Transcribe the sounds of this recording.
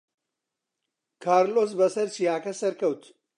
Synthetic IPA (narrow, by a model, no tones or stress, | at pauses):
kʰaːɾloːs̬bɐsɐɾt͡ʃʰijaːkɐsɐɾkɐwt̪ʰ